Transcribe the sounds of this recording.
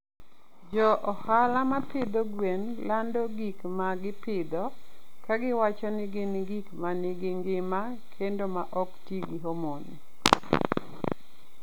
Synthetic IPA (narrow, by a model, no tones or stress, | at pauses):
d͡ʒɔʔɔhalamapɪd̪oɡwenlandɔɡikmaɡɪpɪd̪ɔkaɡɪwat͡ʃɔnɪɡɪnɡikmanɪɡɪŋɡɪma | kʰendomaʔɔktiɡiɦomoni